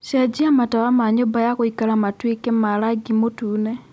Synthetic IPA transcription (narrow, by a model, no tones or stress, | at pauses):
sjad͡ʒiamatawamaɲobajakoikalamatwikemalaɡimotuːne